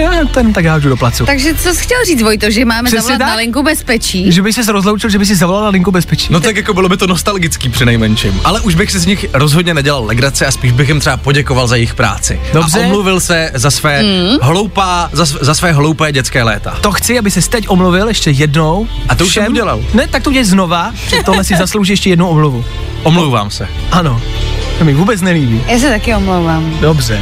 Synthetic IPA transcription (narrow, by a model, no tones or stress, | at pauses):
jojat̪ɛnt̪akjaːʒdudoplat͡sɪt̪aɡʒɛt͡sosxcʲɛlriːt͡svojt̪oʒɛmaːmɛsɛɛt̪analɪŋkubɛspɛt͡ʃiːʒɛbɪxsɛs̬ɾozlowt͡ʃɪlʒɛbɪxs̬ɪzavolalnalɪŋkubɛspɛt͡ʃi̥ːnot̪akjakobɪlobɪt̪o̞nost̪alɡɪt͡skiːpr̥ɪnɛjmɛnt͡ʃɪ̰mʔalɛʔuʒbɪxsɪzɲɪxɾozɦodɲɛnɛɟɛlallɛɡɾat͡sɪaspiːʒbɪxjɛmt̪r̥ɛapoɟɛkovalzajɛjɪxpɾa̰ːt͡sɪ̰doabrɛomluvɪlsɛzasvɛːɦlowpaːzaszasvɛːɦlowpɛːɟɛt͡skɛːlɛːt̪a̰t̪oxt͡sɪabɪsɛst̪ɛcʔomluvɪljɛʃcɛjɛdnow | ʔat̪ouʃsɛmuɟɛlalnɛt̪ak̚t̪ouɛlɛznova | pr̥ɪt̪ːoɦlɛsɪzaslowʒiːjɛʃcɛjɛdnowʔomluvu | ʔomlowva̰ːmsɛ | ʔano̞ | t̪omɪvuːbɛt͡snɛliːbiːjaːs̬ɛt̪akɪomlowvaːmdobrɛ